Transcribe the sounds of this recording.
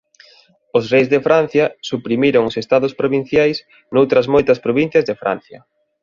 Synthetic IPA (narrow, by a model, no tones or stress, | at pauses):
ʊsrejzðefɾan̟θjɐsupɾimiɾoŋʊsest̪aðʊspɾoβin̟θjajs | nowt̪ɾɐzmojt̪ɐspɾoβin̟θjɐzðefɾa̰n̟θjɐ̰